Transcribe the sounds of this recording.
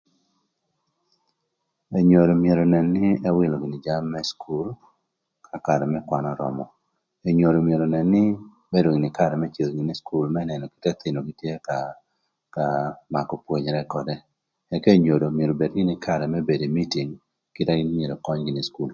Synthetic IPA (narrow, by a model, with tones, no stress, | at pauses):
e˨ɲo˨do˨mje˨ɾo˨nɛ˨nːɪ˦ɛ˦wɪ˦lo˨ɡɪ˨nɪ˨d͡ʒa˦mːɛ˦skʰu˦l | kʰa˨ka˨ɾɛ˨mɛ˦kwa˨nɔ˦ɾɔ̰˨mɔ˨ | e˨ɲo˨do˨mje˨ɾo˨nɛ˨nːɪ˦ | be˦do˨ɡɪ˨nɪ˨ka˦˨ɾɛ˨mɛ˦t͡ʃe˨lɡɪ˨nɪ˦sku˦lmɛ˦nɛ˨nɔ˨kɪ̥˦tɛ˦t̪ɪ˨no˨ɡi˦tje˦ka | ka˨ma˨kɔ˨pwo˨ɲɾɛ˦kɔ˨dɛ˨ | ɛ˨ke˦ɲo˨do˨mje˨ɾo˨be˨dɡɪ˦nɪ˦kʰa˦ɾɛ˨mɛ˦be˨de˨mi˦ti˨ŋ | kɪ˦tɛ˦ɡmje˨ɾo˨kɔ˦ɲɡɪ˨nɪ˨sku˦l